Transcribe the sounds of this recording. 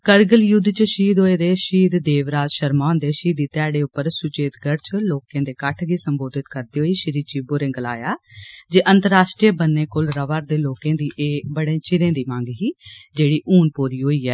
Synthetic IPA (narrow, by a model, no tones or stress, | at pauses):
kəɾɡəljʊd̪ːt͡ʃʃiːd̪ɦoːeːd̪eːʃiːd̪d̪eːʋɾaːd͡ʒʃəɾmaːnd̪eːʃiːd̪iːt̪ɛːɽeːʊpːəɾsʊt͡ʃeːt̪ɡəɽt͡ʃəloːkẽːd̪eːkəʈʰɡiːsəmboːd̪ɪt̪kəɾd̪iːɦoːiːʃɪɾiːt͡ʃiboːɾẽːɡəla̰ːjaːd͡ʒeːʔənt̪əɾaːʃʈɾiebənːeːkʊlɾəʋaːɾd̪eːloːkẽːd̪iːʔeːbəɽẽːt͡ʃɪɾẽːd̪iːmãŋɡɦiːd͡ʒeːɽiːʔuːnpoːɾiːɦoːiːɛː